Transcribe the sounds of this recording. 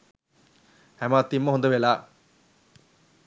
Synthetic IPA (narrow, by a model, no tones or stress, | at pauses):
hæmaːt̪ːimːɐɦond̪ɐʋelaː